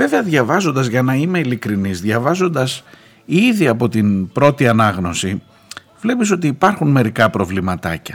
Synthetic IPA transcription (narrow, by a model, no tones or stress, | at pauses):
ve̞ve̞ɐðʝɐvɐzo̞nd̪ɐzʝɐnɐime̞ilikɾinizðʝɐvɐzo̞nd̪ɐs | iðiɐpo̞t̪inbɾo̞t̪iɐnɐɣno̞si | vle̞piso̞t̪iːpɐɾxunme̞ɾikɐpɾo̞vlimɐt̪ɐcɐ